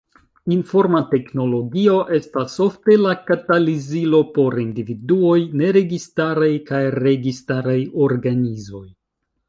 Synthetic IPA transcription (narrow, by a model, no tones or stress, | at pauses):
info̞ɾmate̞kno̞lo̞ɡio̞ʔe̞staso̞fte̞lakatalizilo̞po̞ɾindividuo̞jne̞ɾe̞ɡistaɾajkajɾe̞ɡistaɾajo̞ɾɡanizo̞j